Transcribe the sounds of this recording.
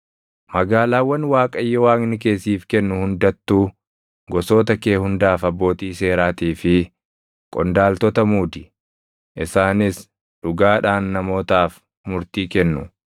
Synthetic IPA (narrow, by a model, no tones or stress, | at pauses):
mɐɡaːlaːwːɐnwaːkʼɐjːɔwaːŋnɪke̞ːsiːfkɛnːʊhʊnd̪ɐt̪ːuː | ɡɔso̞ːt̪ɐkeːhʊnd̪aːfɐbːo̞ːt̪iːse̞ːɾaːt̪iːfɪ | kʼɔnd̪aːlt̪ɔt̪ɐmuːd̪ɪ̥ | ʔɪsaːnɪs | ᶑʊɡaːᶑaːnːɐmo̞ːt̪aːf | mʊɾt̪iːkɛnːʊ